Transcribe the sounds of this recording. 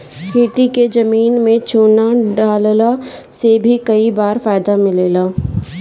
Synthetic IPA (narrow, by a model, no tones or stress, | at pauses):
kʰeːt̪iked͡ʒɐmiːnmẽt͡ʃʰoːnaɖaːllasebʱikɐibaːɾfaːjd̪amɪleːlaː